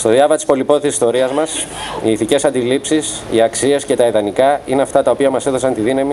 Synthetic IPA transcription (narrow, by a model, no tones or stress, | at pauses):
st̪o̞ðjɐvɐt̪i̥spo̞lipo̞it̪isi̥st̪o̞ɾiɐzmɐsiːθice̞sɐnd̪ilipsis | ḭɐksie̞sce̞t̪ɐiðɐnikɐineɐft̪ɐt̪ɐo̞piɐmɐseðo̞sɐnt̪iðinɐmi